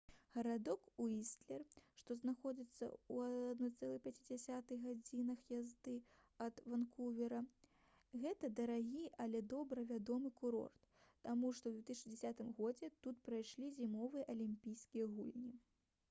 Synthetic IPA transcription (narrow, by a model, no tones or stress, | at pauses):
ɣɐɾad̪ɔkuist̪lʲɛrʂt̪ɔznaxɔd͡zʲit̪sːɐ̰uad̪nɔt̪sɛlˠɨpʲat͡sʲid͡zʲasʲat̪ɨɣɣad͡zʲinɐxjazd̪ɨ | ɐd̪vankuvʲɛɾɐ | ɣɛt̪ɐd̪ɐɾaɣʲiɐlʲɛd̪ɔbɾɐvʲad̪ɔmɨkuɾɔ̰rt̪ː | amuʂt̪ɔwd̪vʲɛt̪ɨsʲid͡zʲɛsʲat̪ɨmɣɔd͡zʲɛt̪ut̪pɾajʂlʲizʲimɔvɨjɐʔɐlʲimʲpʲijskʲijɐɣṵlʲnʲi